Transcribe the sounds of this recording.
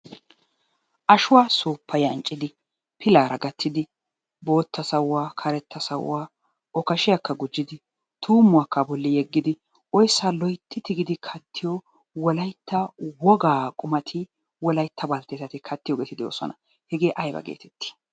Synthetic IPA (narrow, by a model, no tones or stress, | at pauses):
ʔɐʃʊwaːsuːpːɐjɐnt͡ʃʼːɪd̪ɪ | pʰɪlaːɾɐɡɐt̪ʰːɪd̪ɪ | bo̞ːt̪ːɐsɐwaːkʰɐɾɛt̪ːɐsɐ̰w̰aː | ɔkɐʃɪjakːɐɡʊd͡ʒːɪd̪ɪ | t̪ʰuːmʊakːɐbɔlːɪjɛɡːɪd̪ɪ | ʔɔjsːaːlɔjt̪ʰːɪt̪ɪɡɪd̪ɪkʰɐt̪ːɪjɔ | wɔlɐjt̪ːɐwɔɡaːkʼʊmɐt̪ʰɪ | wɔlɐjt̪ːɐbɐlt̪eːsɐt̪ɪkʰɐt̪ːɪjɔɡeːt̪ɪd̪ɪo̰ːsɔ̰nɐ | hɛɡe̞ːʔɐjbɐ̰ɡḛːt̪ʰɛ̥t̪ːɪ̥